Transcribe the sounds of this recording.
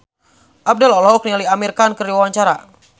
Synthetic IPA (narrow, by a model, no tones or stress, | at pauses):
ʔab̚dɛlɔlɦɔk̚nialiamirkankərdiwawaɲt͡ʃaɾa